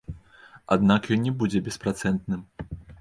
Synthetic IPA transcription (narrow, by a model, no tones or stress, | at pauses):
a̰d̪nakjɔnʲːɛbud͡zʲɛbʲɛspɾat̪sɛnt̪nɨm